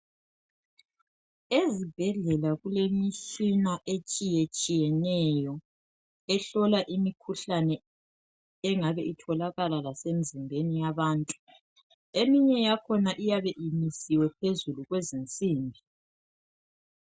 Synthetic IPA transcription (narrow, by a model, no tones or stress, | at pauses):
ezib̥ʱɛɮɛlaɣulemiʃinaʔet͡ʃʼijet͡ʃʼijɛnɛjɔ | ɛɬɔlaʔimikʰuɬanɛ | ɛŋaβɛʔitʰɔlaɣalalasem̩zimbʱenijaβaːntʼu | emiɲɛjakʰɔnaʔijaβɛʔimisiwɛpʰezuluɣwezint͡sʼiːmbʱi